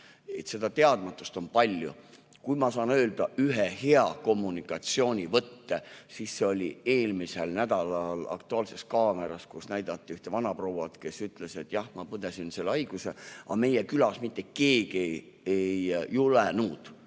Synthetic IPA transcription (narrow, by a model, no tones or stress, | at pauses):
e̞t̪se̞d̪ɑt̪e̞ɑd̪̥mɑt̪ːˑu̥st̪o̞npɑlʲjṵ | kujmɑsɑːnø̞ːld̪ɑʔyɦehe̞ɑko̞mːunikːˑɑt̪sio̞ːnʲivɤt̪ːesisːeo̞lʲie̞ːlmise̞lnæd̪̥ɑlɑlɑ̰kt̪uɑːlse̞skɑːme̞ɾɑskusnæjd̪̥ɑt̪ˑːiyht̪e̞vɑnɑprowwɑt̪ke̞syt̪ˑle̞se̞t̪ːˑjɑhmɑpɤd̪esinselːeɑjɡ̥usḛʔɑ̰me̞jekylɑsmit̪ːˑeke̞ːɡ̥ie | ejːulenuːd̪̥